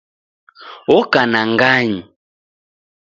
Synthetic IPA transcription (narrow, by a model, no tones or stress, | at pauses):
ɔkanaŋɡaɲi